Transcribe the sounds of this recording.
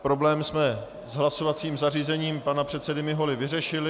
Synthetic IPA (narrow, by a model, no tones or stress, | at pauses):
pɾo̞blɛːmsmɛ | zɦlaso̞vat͡siːmzariːzɛɲiːmpanapr̝̥ɛt̪sɛdɪmɪɦo̞lɪvɪrɛʃɪlɪ